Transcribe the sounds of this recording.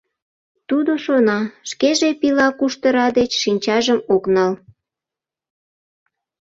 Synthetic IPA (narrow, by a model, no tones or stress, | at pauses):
t̪ud̪oʃonɑʃkeʒepilɑkuʃt̪əɾɑd̪et͡ɕʃinʲt͡ɕɑʒəmoknɑl